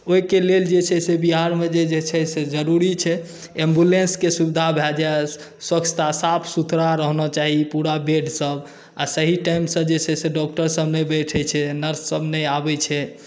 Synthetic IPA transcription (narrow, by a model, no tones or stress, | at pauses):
oikeleld͡ʒet͡ʃʰɛsebiɦaɾmed͡ʒed͡ʒet͡ʃʰɛsed͡ʒəɾuɾit͡ʃʰɛ | ẽmbjulenskesubid̪ʱabʱɛld͡ʒae | swəkt͡ʃʰt̪asapʰsut̪ʰɾaɾəɦnɔt͡ʃaɦipuɾabeɖsəb | asəɦiʈajmsə̃d͡ʒet͡ʃʰɛseɖɔk̚ʈəɾsəbnəjbɛʈʰɛjt͡ʃʰɛnəɾsːəbnəjabɛt͡ʃʰɛ